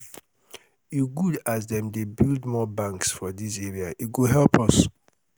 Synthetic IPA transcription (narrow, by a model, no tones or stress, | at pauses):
jiɡudazðɛ̃mdebildmɔbãŋksfɔðisɛɹiait̚ɡoɦɛlpʰɔs